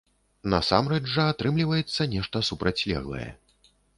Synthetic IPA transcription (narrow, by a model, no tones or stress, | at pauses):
nɐ̰sa̰mɾɛd͡ʐʐɐat̪ɾɨmlʲivɐjɛt̪sːɐnʲɛʂt̪ɐsupɾat͡sʲlʲɛ̰ɣlˠɐ̰jɛ̰